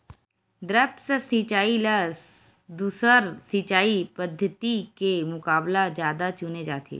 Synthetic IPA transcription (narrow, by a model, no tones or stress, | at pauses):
d̪ɾəpsəsit͡ʃaːilɐ | d̪uːsəɾsit͡ʃaːipɐd̪ʱːət̪ikemʊkaːblad͡ʒjaːd̪at͡ʃʊned͡ʒaːt̪ʰḛː